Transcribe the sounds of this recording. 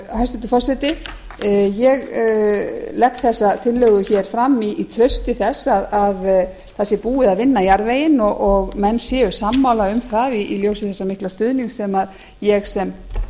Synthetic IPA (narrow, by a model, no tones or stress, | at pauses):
hajst̪ɪt̪ʏfɔsɛt̪ɪ | jɛɣ | lɛkːθɛsːat̪ʰɪlːœɣʏçɛɾ̥fɾamːiːt̪ʰɾœɥst̪ɪθɛsːaðað | θɛsːɪpuːɪðaðvɪnːajaɾðveːjɪnɔɔɣmɛnːsjɛːʏ̥samːawlaʏmθaðiːljoːwsɪθɛsːamɪhklast̪ʏðniŋksɛmað | jɛɣsɛm